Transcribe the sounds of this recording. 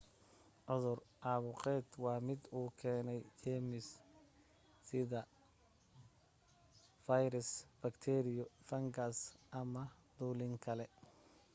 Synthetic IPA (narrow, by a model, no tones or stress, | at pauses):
ʕʊðʊrʔɑːβʊqɛːd̪wɑːmɪd̪uːkʰɛːnɛjt͡ʃɛːmɪs | ɪðɐ | fɐjɾɪsbɐkt̪ʰɛɾɪjɔfɐŋɡɐsʔɐmɐ | d̪uːlɪŋkʰɐlɛ